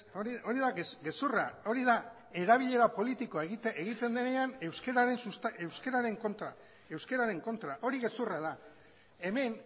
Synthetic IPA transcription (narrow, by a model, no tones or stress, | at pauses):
oio̞ɾiðaesɡe̞surao̞ɾiða | e̞ɾaβiʎe̞ɾapo̞lit̪iko̞aeɣit̪ʔeɣit̪e̞nd̪ene̞anewskeɾaɾe̞nsust̪e̞wske̞ɾaɾe̞ŋko̞nt̪ɾa | e̞wske̞ɾaɾe̞ŋko̞nt̪ɾaʔo̞ɾiɣe̞suraða | e̞me̞n